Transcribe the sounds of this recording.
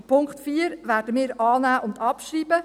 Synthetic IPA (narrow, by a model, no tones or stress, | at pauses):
pʰʊŋkχtfiːəɾʋæːɾdəmɪːɾɑːnæːʔʊndɑpʃriːbə